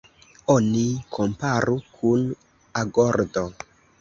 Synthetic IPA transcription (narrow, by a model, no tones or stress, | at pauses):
onikʰo̞mpaɾukʰun | aɡoɾdo